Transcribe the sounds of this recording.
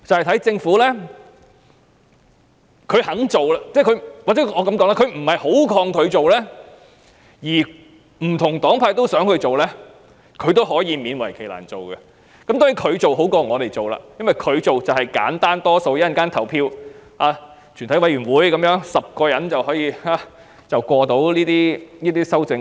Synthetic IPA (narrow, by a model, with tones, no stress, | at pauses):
t͡sɐ˨whɐ˨jt̪ʰɐ˨˥jt͡sɪ˧ŋfuː˨˥lɛː˥ | kʰɥhɐ˨˥ŋt͡so˨wla˧t͡sɛː˥˩kʰɵ˨˧ɥwaː˨t͡sɛ˨˦˥ŋɔː˨˧kɐ˨˥mkɔ˨˥ŋlaː˧˥kʰɥm̩˨˩hɐ˨jho˨˥wkʰɔː˧ŋkʰɵ˨˧ɥt͡so˨wlɛː˥ | jiː˨˩ | m̩˨˩t̪ʰʊ˨˩ŋt̪ɔː˨˥ŋpʰaː˧jt̪o˥wsœː˨˥ŋhɵ˧ɥt͡so˨wlɛː˥ | kʰɵ˨˧ɥt̪o˥wɦɔː˨˥jiː˨˧miː˨˧nwɐ˨˩jkʰe˨˩jla̰ː˨˩nt͡so˨wɡɛ˧ | kɐ˦mt̪ɔː˥ŋji˧˥kʰɵ˨˧ɥt͡so˨wɦo˨˥wkɔː˧ŋɔː˨˧t̪e˨jt͡so˨wla̰ː˧jɐ˥nwɐ˨jkʰɵ˨˧ɥt͡so˨wt͡sɐ˨˩whɐ˨jka̰ː˨˥nt̪aː˥nt̪ɔː˥so˧wjɐ˦˥ɐ˨nkaː˥nt̪ʰɐ˨˩wpʰiː˧w | aː˧ | t͡ʃʰy˨˩nt̪ʰɐ˨˥jwɐ˧˥jɥyː˨˩nwuː˨˥jkɐ˨˥mjœː˨˧˥ŋsɐ˨p̚kɔː˧jɐ˨˧˥nt͡sɐ˨whɔː˨˥jiː˧aː˨˧ | t͡sɐ˨wkʷɔː˧t̪o˨˥wliː˥t̪iː˥niː˥t̪iː˥sɐ˥wt͡sɪ˧ŋ